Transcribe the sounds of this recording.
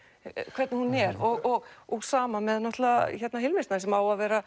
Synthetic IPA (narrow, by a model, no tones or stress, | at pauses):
kʰvɛɾt̪nɪhunɛɾɔɣɔɣɔɣsaːmamɛðnɔht̪laaçɛɾt̪naɦɪlmɪsnasɛmaːwaðvɛːɾa